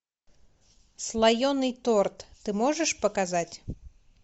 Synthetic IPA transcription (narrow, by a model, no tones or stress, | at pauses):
slˠajɔnɨjt̪ɔrt̪ːɨmɔʐɛʂpɐkazat͡sʲ